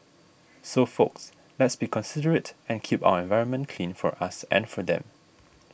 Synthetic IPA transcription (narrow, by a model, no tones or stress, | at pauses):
sofoks | lɛtsbikʰɔ̃nsidəɹətɛ̃nkʰipa̰ʊəɛ̃nvaɪɹə̃nmə̃ntkʰlĩnfɔ̰ɹʔasɛ̰̃nfɔdɛ̰̃m